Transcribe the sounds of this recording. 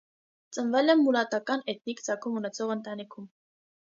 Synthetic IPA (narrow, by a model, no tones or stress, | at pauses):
t͡sənvɛlɛmːulɑt̪ɑkɑnɛt̪̚nikd͡zɑkʰumunɛt͡sʰɔʁənt̪ɑnikʰum